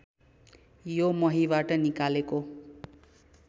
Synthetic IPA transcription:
jomʌɦibaʈʌnikaleko

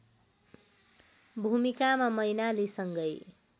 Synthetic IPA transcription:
bʱumikamamʌjnalisʌŋɡʌj

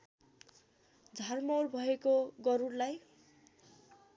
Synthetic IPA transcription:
d͡zʱarmʌwrbʱʌekoɡʌɾurlaj

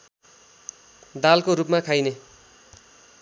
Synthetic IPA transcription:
d̪alkoɾupmakʰajne

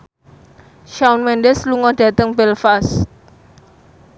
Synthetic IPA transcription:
ʃaunmɛnɖɛsluŋɔɖ̥ä̤t̪əŋbɛlfast̪

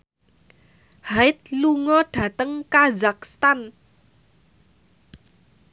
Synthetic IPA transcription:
haɪt̪̚luŋɔɖ̥ä̤t̪əŋkazakst̪an

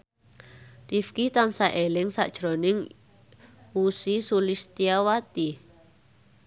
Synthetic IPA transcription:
rifkit̪ansaʔelɪŋsa̰ʔd̥ʒ̥ɾo̤nɪŋ | usisulist̪iawat̪i

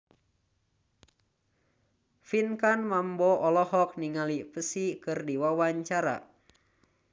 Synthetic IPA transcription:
finkanmambɔʔɔlɔhɔk̚niŋalipəsikɨrdiwawaɲt͡ʃaɾa̰

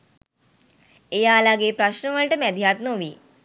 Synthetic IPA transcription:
ejaːlaɡepɾaɕnəʋəɭʈəmɛd̪ʱjaːt̪noʋiː

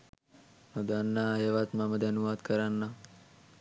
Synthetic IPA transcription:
məd̪anːaɦeʋat̪maməd̪ɐnuʋaːd̪kəɾanːa

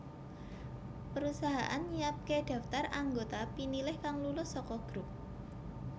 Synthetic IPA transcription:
pəɾusaɦaʔanɲiat̪̚keɖ̥a̤ft̪araŋɡot̪apinilɪhkaŋlulʊhsɔkɔɡ̥ɾup̚

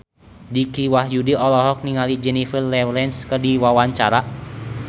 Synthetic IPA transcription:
dikiwahjudiɔlɔɦɔk̚niŋalid͡ʒɛnifərlɛwlɛnskərdiwawaɲt͡ʃaɾa

